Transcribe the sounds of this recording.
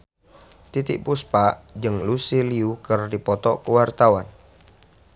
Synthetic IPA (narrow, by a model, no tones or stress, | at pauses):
t̪it̪ɪʔpuspaʔd͡ʒɨŋlusiliukərdipɔt̪ɔkəwart̪awan